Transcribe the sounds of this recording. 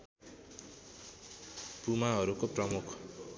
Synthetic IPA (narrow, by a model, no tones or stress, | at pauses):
pumaɦʌɾukoprʌmukʰ